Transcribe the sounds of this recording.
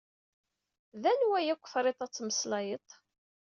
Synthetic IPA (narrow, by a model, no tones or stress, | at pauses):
ðænwæjækʷːə̥fɾˤet̪ˤɑt͡sːməslɑjət̪ˤ